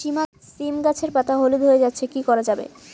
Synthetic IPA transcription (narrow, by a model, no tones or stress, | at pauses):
ʃima | simɡat͡ɕʰeɾpat̪ʰaɦolud̪ʱoed͡ʑatːɕʰekikɔɾad͡ʑabḛ